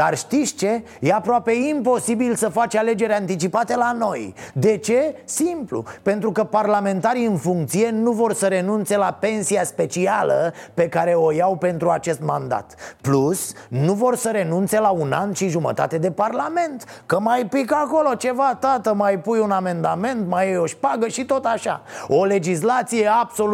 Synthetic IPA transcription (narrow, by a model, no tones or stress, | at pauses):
arʃt̪ist͡ʃe̞ | je̞apɾoape̞impo̞sibilsəfat͡ʃale̞d͡ʒe̞ɾʲant̪it͡ʃipat̪e̞lano̞jd̪e̞t͡ʃe̞simplṵpe̞nt̪ɾukəparlame̞nt̪aɾiɨnfuŋk̚t̪sije̞nuvo̞rsəɾe̞nunt̪se̞lape̞nsiaspe̞t͡ʃialə̰pe̞kaɾe̞o̞jawpe̞nt̪ɾuat͡ʃe̞st̪mand̪a̰t̪plusnuvo̞rsəɾe̞nunt̪se̞launa̰nʃiʒumə̰t̪a̰t̪e̞d̪e̞parlame̞nt̪kəmajpikako̞lo̞t͡ʃe̞vat̪at̪əmajpujuname̞nd̪ame̞nt̪majjoʃpaɡəʃit̪o̞t̪aʃa̰o̞le̞d͡ʒis̬lat̪sijeabso̞